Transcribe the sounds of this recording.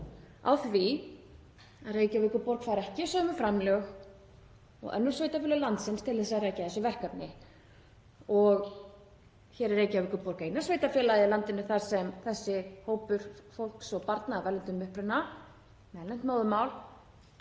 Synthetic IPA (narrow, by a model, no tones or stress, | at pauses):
a̰wθvi | aðreːjcawvɪhkːʏɾpɔɾkfaːɾɛhcɪsœːmʏfɾamlœx | ɔ̰ɣɛ̰nːʏɾ̥sveːjt̪afɪlaɣlant̪sɪnst̪ʰɪlθɛsaðɾajcaθɛsʏvɛr̥kapnɪ | ɔɣ | çɛːɾɛɾeːjcawvɪhkʏɾpɔɾkejnaɾ̥sveːjt̪afjɛːlaðɪlant̪ɪnʏθaɾ̥sɛmθɛsːɪhoːwpʏɾ̥fowl̥ksɔpaɾt̪naːvɛlɪnt̪ʏmʏhpɾɪnːa | mɛðlɛn̥t̪maːwðʏmaːwl